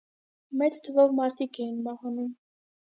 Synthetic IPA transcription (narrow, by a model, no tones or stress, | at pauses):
mɛt͡st̪ʰəvɔvmɑɾt̪ʰikɛjinmɑhɑni